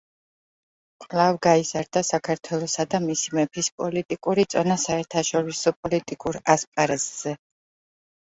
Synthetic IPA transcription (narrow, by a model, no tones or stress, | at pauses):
qʼlˠavɡaizaɾd̪̥asakʰaɾt̪ʰwɛlˠɔsad̪amisimɛpʰispʼɔlit̪ʼikʼuɾit̪sʼɔnasaɛɾt̪ʰaʃɔɾisɔpʼɔlit̪ʼikʼuɾaspʼaɾazz̥ɛ